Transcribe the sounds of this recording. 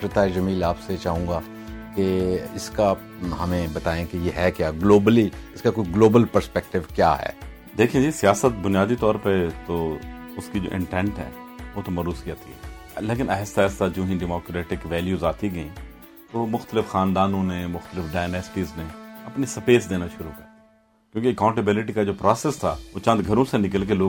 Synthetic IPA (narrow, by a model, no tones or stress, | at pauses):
pɾɪt̪aːɪd͡ʒɐmiːlaːpset͡ʃaːɦũːɡa | keɪska | ɦɐmẽbɐt̪aːẽkejeɦɛkjaːɡloːbəliɪskakoːiɡloːbəlpəɾspɛk̚ʈɪʋkja̰ːɦɛ̰ː | d̪eːkʰiẽd͡ʒisijaːsət̪̚bʊnijaːd̪it̪ɔːɾpet̪oʊskid͡ʒo̰ːʔɪ̰̃ɳʈɛ̃ːɳʈɦɛ̰ːʋoːt̪omɐɾuːskijaːt̪iɦɛ̰ː | leːkɪ̃nɛːst̪aːst̪ad͡ʒoːɦĩɖɛmoːkɾeːʈɪkʋɛːljuːzaːt̪iɡɐĩ | t̪omʊxt̪əlɪfxaːnd̪aːnõnemʊxt̪əlɪfɖaːɪjnɛːsʈiːzneɐpnisɐpeːsd̪eːnaʃʊɾukɐ | kjõːkiɐkãːʊ̃ɳʈəbɪlɪʈikad͡ʒoːpɾaːsɛst̪ʰa̰ːʋot͡ʃãːnd̪ɡʱɐɾõsenɪk̬əlk̬eloː